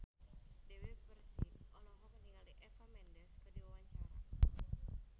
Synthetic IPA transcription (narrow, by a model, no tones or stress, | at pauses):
dɛwipərsḭʔɔlɔɦɔməniŋɡaliʔɛfamɛndɛskədiwawaɲt͡ʃaɾa